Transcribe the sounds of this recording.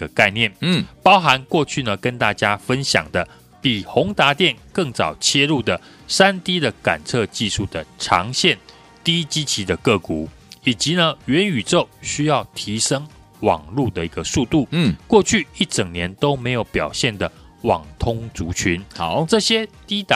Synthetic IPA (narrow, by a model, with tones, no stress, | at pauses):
ə˨ka˥˧ɪnjɛ˥˨˩npɑ˥ʊxa˧˦nkwɔ˥˧t͡ɕʰy˥˩nə˩kə˦nt̪a˥˩t͡ɕja˥fə˦nɕjɑ̰˨˩ŋd̪ə˦ | pi˨˩xʊ˧˥ŋt̪a˧˥t̪jɛ˥˩nkɤ˥˩ŋt͡sɑ˨˩ʊt͡ɕʰjɛ˥lu˥˩d̪ə˩ | sa˦nt̪i˥d̪ə˨ka˨˩nt͡sʰɤ˥˧t͡ɕi˥˧ʂu˥˩d̪ə˩ʈ͡ʂʰɑ˧˥ŋɕjɛ˥˩n | t̪i˥t͡ɕi˦t͡ɕʰi˧˥d̪ə˨kɤ˥˩ku˨˩˦ | i˨˩t͡ɕi˧˦nə˧ɥɛ˧˦ny˨˩t͡so˥˨˩ʊɕy˥jɑ˥˩ʊt̪ʰi˧˥ʂɤ˥ŋ | wɑ̰˨˩ŋlu˥˧d̪ə˩i˧˥ɡə˧su˥˧t̪u˥˩kwɔ˥˧t͡ɕʰy˥˨i˥˩t͡sə˨˩ŋnjɛ˧˦nt̪o˥ʊme˧˥ɪjo˨˧˩ʊpjɑ˨˩ʊɕjɛ˥˩nd̪ə˩ | wɑ̰˨˩ŋt̪ʰʊ˥ŋt͡su˧˥t͡ɕʰy˧˦n˨ʈ͡ʂɤ˥˨˩ɕjɛ˥t̪i˥t̪a